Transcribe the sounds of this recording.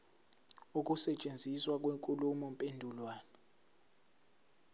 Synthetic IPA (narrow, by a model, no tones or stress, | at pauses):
uk̬ʼusɛt͡ʃʼend͡zʱiswak̬ʼweŋkʼulumɔmpʼendʱulwaːna